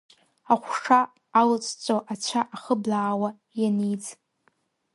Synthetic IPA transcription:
aχʷʂaː | lɨt͡sʼt͡sʷʼoʔat͡ʃʷʰaʔaχəblaːwa | janid͡z

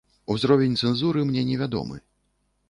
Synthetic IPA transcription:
uzɾɔvʲɛnʲt̪sɛnzuɾɨmnʲɛnʲɛvʲad̪ɔ̰mɨ̰

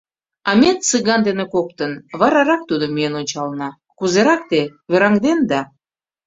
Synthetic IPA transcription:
ɑmet̪t͡sɨɣɑnd̪enekok̚t̪ənβɑɾɑɾɑk̚t̪ud̪omyjenonʲt͡ɕɑlnɑ | kuzeɾɑk̚t̪eβeɾɑŋd̪end̪ɑ

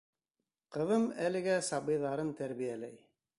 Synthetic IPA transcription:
qɤ̆ðɤmælɘ̆ɡæsɑbɤ̆jðɑɾɤnt̪æɾβijælæj

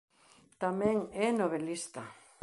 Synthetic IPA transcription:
t̪amẽŋɛnoβelist̪a

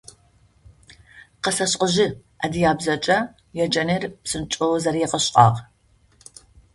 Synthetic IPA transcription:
qɐsɐɕʼqʼəʒɪʔɐdijaːbzɐt͡ʃʼɐ | jɛd͡ʒʼɐnerpsɨnt͡ʃʼɨwzɐrjɛqəɕqʼɑ̰ːʁ

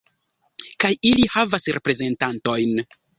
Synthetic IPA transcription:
kajilihavasɾe̞pɾe̞ze̞ntanto̞jn

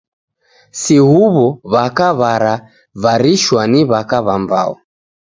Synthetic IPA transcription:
sihuβɔβakaβaɾa | vaɾiʃwaniβakaβamba̰ɔ̰

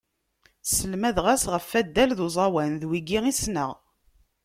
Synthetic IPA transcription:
səlmæðʁæsʁəfːæd̪ːælðuzˤɑwænðwiɡiʁisnəʁ

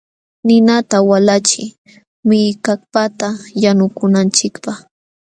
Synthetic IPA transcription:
nɪnat̪awalat͡ʃɪ | mɪjkak̚pat̪ajanʊkʊnant͡ʃɪkpaχ

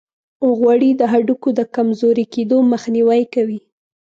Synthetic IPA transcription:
oɣwaɽid̪əɦaɖukod̪əkamzoɾiked̪oməxniwajkawi

